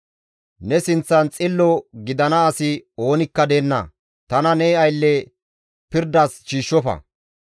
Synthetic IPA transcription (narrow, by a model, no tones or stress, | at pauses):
nɛsɪnt͡sːɐnt͡sʼɪlːɔɡɪd̪ɐnɐːsɪo̞ːnɪkːɐd̪eːnːɐ̰ | t̪ɐnɐnɛːɐjlːɛ | pɪɾd̪ɐsʃiːʃːɔfɐ̰